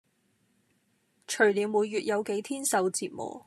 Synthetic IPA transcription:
t͡ʃʰɵ˨˩ɥliː˨˧wmuː˨˧jːyː˨t̚jɐ˨˧wke˨˥jt̪ʰiː˥nsɐ˨˧wt͡siː˧t̚mɔ̰ː˨˩

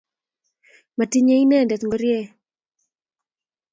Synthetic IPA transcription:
ma˨ti˦ɲe˦i˦nɛ˦˨ndɛ˨t̪ŋɡɔ˦ɾje˦˨

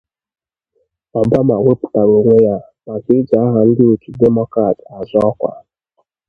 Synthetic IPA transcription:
ma˨ba˦ma˨wʷe˦pu̥˨ta˨ɾu˨ŋʷe˦ja˦ | ma˨vi˦d͡ʒa˨a˦ɦa˨n̩˦dɪ˦o˨tu˨dɛ˦mɔ˦kɾa˨ta˨zɔ˦ɔ˦kʷa̰˨

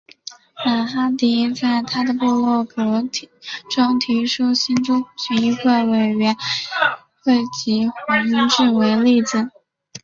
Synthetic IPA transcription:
na˨˩xa˥t̪i˧˥t͡sa˥˩ɪt̪ʰa˥d̪ə˨pu˥˧lwɔ˥˩kɤ˧˥t̪ʰʈ͡ʂɑ˥ŋt̪ʰi˧˥ʂu˥ɕi˥nʈ͡ʂʊ˥t͡ɕy˧˥i˥˧kwe˥˩ɪwe˨˩ɪɥɛ˧˥n | xwe˥˩ɪt͡ɕi˧˥xwɛ˧˥i˥ŋʈ͡ʂɻ̩˥˩we˧˥ɪli˥˩d͡zɹ̩˨˩

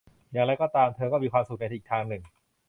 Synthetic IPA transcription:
jaː˨˩ŋɾa˧jkɔː˥˩t̪aː˧mt̪ʰɤː˧kɔː˥˩miː˧kʰwaː˧msu˨˩k̚na˧tʰːk̚t̪ʰaː˧ŋnɯ˨˩ŋ

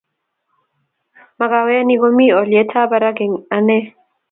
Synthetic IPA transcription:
ma˨ɡa˨wɛ˦a˦ni˦ɡo˦mi˦ɔ˨ljɛ˨˦tʰa˦ba˨ɾa˦ɡe˨ŋa˨nɛ˦

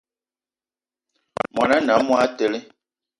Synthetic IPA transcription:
mɔ˨na˦na˨˦mwa˦tɛ˨li˦

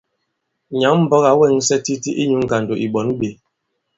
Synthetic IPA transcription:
ɲa˨˦m̩˦bɔ˦ɣa˨˦wɛ˦˨ŋ˦sɛ˦ti˦ti˦ʔi˦ɲu˨˦ŋ̩˨ɡa˨ndo˨ʔi˨ɓɔ˨˦n˦ɓe˨˦

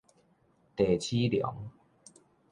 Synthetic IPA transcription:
t̪eː˨˩t͡ɕʰiː˦˥ljɔ̰˨˩˦ŋ

